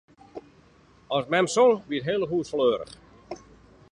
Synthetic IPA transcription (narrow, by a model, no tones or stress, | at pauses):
ɔsmɛmsolʋiətɦeːlˠəɦuːsfløːɾə̰χ